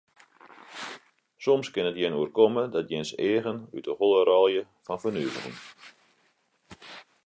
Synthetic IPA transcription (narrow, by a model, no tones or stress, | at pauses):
sɔmskɪnətjɪnuərkɔmədɔtjɪnseːəɣəny̰təholˠəɾɔlˠjə | fɔnfərnyəvə̰rḭŋ